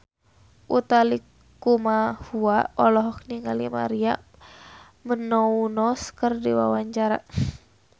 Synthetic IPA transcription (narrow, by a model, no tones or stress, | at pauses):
ʔut̪ali | kumahuaɔlɔɦɔk̚niŋalima̰ɾia | mənɔunɔskərdiwa̰waɲt͡ʃaɾa̰